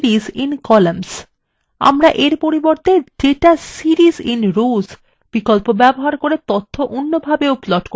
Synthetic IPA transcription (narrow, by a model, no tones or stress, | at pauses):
ɾizinkɔlams | a̰mɾaʔeɾpoɾiboɾt̪ʰed͡ʒeʈasiɾizinɾuz | b̥ikolpobɛboɦaɾkoɾet̪ot̪ʰːoʔonːobʱabeuplɔʈko